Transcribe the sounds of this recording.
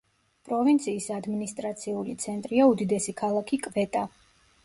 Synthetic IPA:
pʼɾɔvint̪sʰiːsad̪minist̪ʼɾat̪sʰiulit̪sʰɛnt̪ʼɾiaud̪id̪ɛsikʰalˠakʰikʼvɛt̪ʼa

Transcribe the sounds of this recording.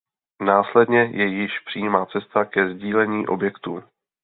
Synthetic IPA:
naːslɛdɲɛjɛjɪʃpr̥ijiːmaːt͡sɛst̪akɛzɟiːlɛɲiːʔo̞bjɛkt̪uː

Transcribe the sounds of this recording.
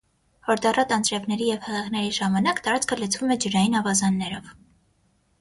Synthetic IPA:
hɔɾd̪ɑrɑt̪ɑnt͡sɾɛvnɛɾijɛvhɛʁɛʁnɛɾiʒɑmɑnɑkt̪ɑɾɑt͡skʰələt͡sʰvumɛd͡ʒəɾɑjinɑvɑzɑnːɛɾɔv

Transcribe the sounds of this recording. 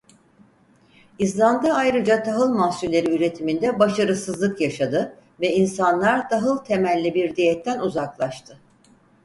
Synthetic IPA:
izlˠand̪aajɾɯd͡ʒat̪ʰaɦɯlˠmasulʲeɾiyɾe̞t̪ʰimind̪ɛbaʃaɾɯsɯzlˠɯkjaʃad̪ɯ | vɛinsanlˠaɾt̪ʰaɦɯlˠt̪ʰe̞mælʲːibiɾd̪ijɛt̪ʰːænuzaklˠaʃt̪ʰɯ

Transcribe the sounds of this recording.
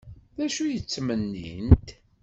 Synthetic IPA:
ðæʃujət͡sːmənːint̪

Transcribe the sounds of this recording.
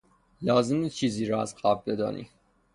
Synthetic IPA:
lɒːzemit͡ʃʰiːziːɾɒːæzɢæbbed̪ɒ̰ːnʔḭː

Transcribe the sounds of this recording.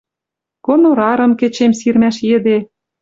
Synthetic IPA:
konoɾɑɾɤ̆mkĕt͡ɕemsirmæʃjɘ̆d̪e

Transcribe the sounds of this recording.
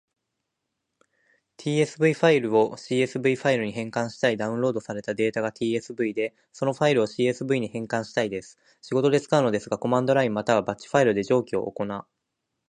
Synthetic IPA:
t̪ʲʰiːe̞sɨbɯ̟iɸaiɾɯ̟o̞ɕiːe̞sɨbɯ̟iɸaiɾɯ̟ɲ̟iɦẽ̞ŋkãɰ̃ɕi̥t̪aid̪aɯ̟̃nɾo̞ːd̪o̞saɾe̞t̪ad̪e̞ːt̪aɡat̪ʲʰiːe̞sɨbɯ̟id̪e̞ | so̞no̞ɸaiɾɯ̟oɕiːe̞sɨbɯ̟iɲ̟ihẽ̞ŋkãɰ̃ɕi̥t̪aid̪e̞sɨ̥ | ɕiɡo̞t̪o̞d̪e̞t͡sɨ̥kaɯ̟no̞d̪e̞sɨɡako̞mãnd̪o̞ɾaimːat̪aβ̞abat͡ɕi̥ɸaiɾɯ̟d̪e̞ʑo̞ːkʲio̞̰ʔo̰ko̞na

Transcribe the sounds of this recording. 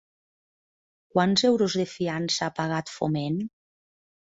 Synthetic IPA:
kwanzɛwɾozðefiansapaɣat̪fo̰men

